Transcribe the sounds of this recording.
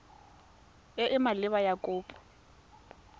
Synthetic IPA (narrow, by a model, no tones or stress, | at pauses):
ɪʔɪmalɪβajakʼʊːpʼɔ̥